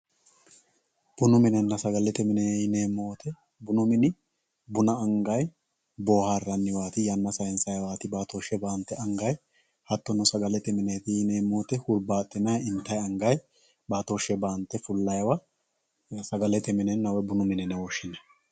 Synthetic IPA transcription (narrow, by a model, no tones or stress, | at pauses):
b̥ʊnʊmɪnɛnːɐsɐɡɐlɛt̪ɛmɪneːneːmːoːt̪ɛ | bʊnʊmɪnɪ | bʊnɐːŋɡɐj | bo̞ːhaːrːɐnːɪwaːt̪ɪjɐnːɐsɐjɛnsɐjwaːt̪ɪbaːt̪oʃːɛbaːnt̪ːɛɐŋɡɐj | hɐt̪ːɔnɔsɐɡɐlɛt̪ɛmɪneːt̪ɪneːmːo̞ːt̪ɛhʊɾbaːt̪ʼːɪnɐjɪnt̪ːɐjɐŋɡɐj | baːt̪oʃːɛbaːnt̪ːɛfʊlːɐjwa | sɐɡɐlɛt̪ɛmɪnɛnːɐwɛbʊnʊmɪnɪnɛwɔʃːɪnɐ